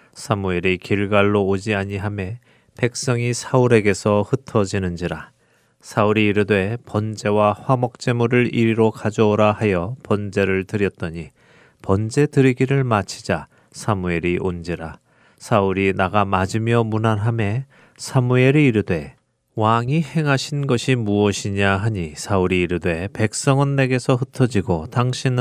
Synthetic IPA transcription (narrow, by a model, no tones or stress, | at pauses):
sʰamue̞ɾikiɭɡaɭːood͡ʑiaɲiɦame̞ | pe̞k̚s͈ʌŋisʰauɾe̞ɡe̞sʰʌhɯtʰʌd͡ʑinɯnd͡ʑiɾa | sʰauɾiːɾɯdwe̞pʌnd͡ʑe̞waɸwamʌk̚t͡ɕ͈e̞muɾɯɾiɾiɾokad͡ʑʌːɾahajʌpʌnd͡ʑe̞ɾɯɭtɯɾjʌt̚t͈ʌɲi | pʌnd͡ʑe̞tɯɾiɡiɾɯɭmat͡ɕʰid͡ʑa | sʰamue̞ɾiʔond͡ʑiɾa | sʰauɾinaɡamad͡ʑimjʌmunanɦame̞ | sʰamue̞ɾiːɾɯdwe̞ | waŋihe̞ŋɦaɕʰinɡʌɕʰimuʌɕʰiɲaɦaɲisʰauɾiːɾɯdwe̞pe̞k̚s͈ʌŋɯnːe̞ɡe̞sʰʌɦɯtʰʌd͡ʑiɡotaŋɕʰin